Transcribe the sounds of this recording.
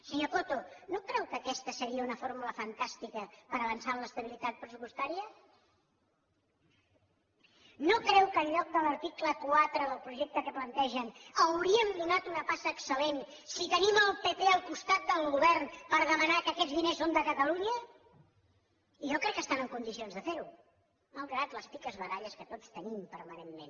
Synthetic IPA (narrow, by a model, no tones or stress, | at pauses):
səɲokot̪onokɾɛwkəkɛst̪əsəɾiəunəfoɾmuləfənt̪ast̪ikəpəɾəβənsaləst̪əβ̞ilit̪at̪̚pɾəsupust̪aɾiə | nokɾɛwkəlʎɔk̚d̪ələɾt̪ikləkwat̪ɾəðəlˠpɾuʒɛk̚t̪əkəplənt̪ɛʒənəwɾiəmd̪unat̪unəpasəːksəlen | sit̪əniməlˠpət̪eəlˠkust̪at̪̚d̪əlˠɣuβɛɾnpəɾðəmənakəːkɛd͡zðinesond̪əkət̪əluɲə | iʒɔkɾɛkːəst̪anəŋkund̪isionzðəfeɾu | məlˠɣɾat̪ləspikəzβəðaʎəskət̪ot͡st̪ənimpəɾmənenːḛn